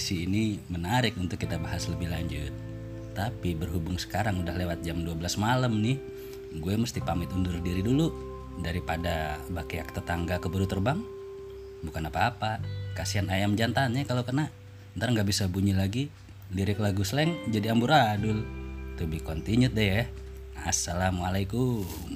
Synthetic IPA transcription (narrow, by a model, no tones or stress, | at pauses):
siːnimənaɾɪkunt̪ʊkːit̪abaɦasləbɪhlaɲd͡ʒʊt̪̚ː | apibərɦubʊŋsə̥kaɾaŋudahlewat̪̚d͡ʒamduabəlasmaləmnɪh | ɡuɛməst̪ipamɪt̪undʊrdiɾidulu | daɾipadabakiak̚t̪ət̪aŋɡakəbəɾut̪ərbaŋ | bukanapaːpakasianajamd͡ʒant̪anɲakalokərna | ənt̪aɾaŋɡaʔbisabuɲilaɡi | liɾɪklaɡusəlɛŋd͡ʒadiambuɾadʊlt̪ubɪhkɔnt̪iɲʊt̪̚dɛja | a̰sːalamualakum